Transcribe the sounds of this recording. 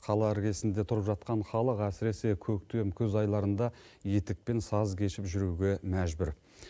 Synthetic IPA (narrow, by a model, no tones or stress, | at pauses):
qʰɑlˠɑɪɾɡʲe̞sɪnd̪e̞t̪ʰʊɾəpʒɑt̪qɑɴχɑlˠəqæsɪɾe̞sekʲʰɵkt̪e̞mkʲʰɵzɑjlˠɑɾənd̪ɑje̞t̪ɪk̚pe̞nsɑzkʲʰe̞ʃɪpʒʏɾuɡʲemæʒbɪɾ